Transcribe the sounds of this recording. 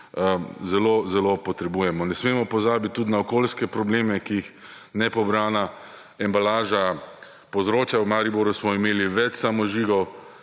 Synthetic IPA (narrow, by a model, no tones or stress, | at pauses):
zɛlozɛlopɔt̪ɾɛbuːjɛmɔnɛsmeːmɔpɔzaːbit̪̚ʲːud̪naɔkoːlskɛpɾɔbleːmɛkiixnɛpɔbɾaːna | ɛmbalaːʒa | pozɾoːt͡ʃjawmaɾiboɾusmɔimeːliʋɛt͡ʃsamɔʒiːɡɔw